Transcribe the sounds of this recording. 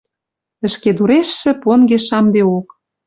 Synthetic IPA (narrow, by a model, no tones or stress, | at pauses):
ə̆ʃked̪uɾeʃːɘ̆ponɡeʃɑmd̪eok